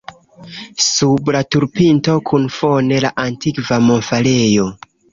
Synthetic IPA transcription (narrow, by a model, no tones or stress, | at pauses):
sublatuɾpinto̞kʰunfo̞ne̞laʔantikvamo̞nfale̞jo̞